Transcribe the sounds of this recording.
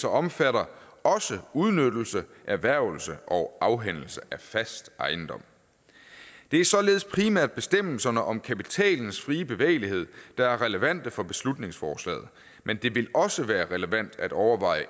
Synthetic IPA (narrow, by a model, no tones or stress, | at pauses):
sɒ̽ɒ̽mfæɾɐɒ̽səuð̞ˠnød̥l̩səʔæɐʋæɐ̰ʊ̰l̩səʔɒʊʔɑ̈ʊɦen̰l̩səʔæfæsd̥ʔɑ̈ɪn̩d̥ɒ̽m̰ | d̥e̝æɐsɒ̽le̝ːð̞̩ˠspʰʁimæɐ̰d̥̚b̥e̝sd̥em̰l̩sɐnəʔɒ̽mkʰæpit͡sʰɛ̰ːln̩sfʁiːəb̥e̝ʋḛɪlihe̝ð̰ˠd̥ɑ̈æɐʁɛləʋæn̰d̥əfɒ̽b̥e̝̥slud̥ne̝ŋsfɒːslɛ̰ːð̩ˠ | mend̥e̝ʋe̝lɒ̽səʋæːɐʁɛləʋæn̰d̥æd̥ɒʊɐʋɑ̈ɪ̰ə